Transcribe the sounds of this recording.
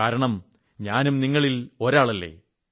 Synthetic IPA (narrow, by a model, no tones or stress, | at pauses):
aːɾɐɳɐm | ɲaːnumniŋːɐɭilo̞ɾaːɭɐlːe̞̰